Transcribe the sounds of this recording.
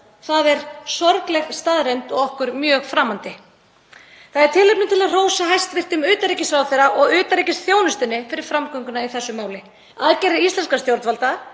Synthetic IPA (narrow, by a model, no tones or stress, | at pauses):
θaðɛɾsɔɾklɛɣst̪aːðɾejnt̪ɔɣɔhkʏɾmjœːɣfɾaːmant̪ɪ | θaðɛɾ̥t̪ʰɪlejp̚nʏmt̪ʰɪlaðr̥oːwsaɦajst̪vɪr̥t̪ʏmʏːt̪aɾicɪsawθejɾaʔɔɣʏːt̪aɾicɪst̪θjoːwnʏst̪ɪnːɪfɪɾɪɾ̥fɾamkœŋkʏnaiθɛsːʏmaːwlɪ | aðcɛɾɪist̪lɛnskast̪jowɾt̪valt̪a